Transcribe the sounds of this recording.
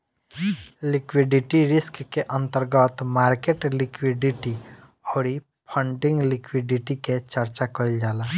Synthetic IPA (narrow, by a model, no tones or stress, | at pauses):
lɪkwɪɖɪʈiɾɪskːeʔə̃nt̪əɾɡət̪maːɾkeʈlɪkwɪɖɪʈi | ɔːɾi | pʰə̃ɳɖɪ̃ŋɡlɪkwɪɖɪʈiket͡ʃəɾt͡ʃakəild͡ʒaːlaː